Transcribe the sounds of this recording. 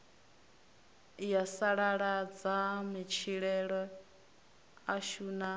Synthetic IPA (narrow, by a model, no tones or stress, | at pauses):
jasaɺaɺad͡zamit͡ʃʰiɺɛɺɔ | aʃuna